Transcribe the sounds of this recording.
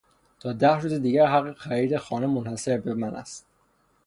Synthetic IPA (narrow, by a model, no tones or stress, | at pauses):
t̪ʰɒːd̪æhɾuːzed̪iːɟæɾɦæɢːexæɾiːd̪exɒːnemonhæse̞ɾbemænʔæ̰st̪̚